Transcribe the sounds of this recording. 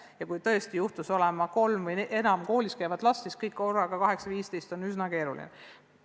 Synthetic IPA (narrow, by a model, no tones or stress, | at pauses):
jɑkujt̪ɤest̪ijuht̪uso̞lemɑko̞lmvɤje̞nɑmko̞ːliskæjvɑd̪̥lɑsːiskɤjkːo̞rːɑɡ̥ɑkɑɦe̞ksɑviːst̪ejst̪o̞nyznɑke̞ːɾulḭne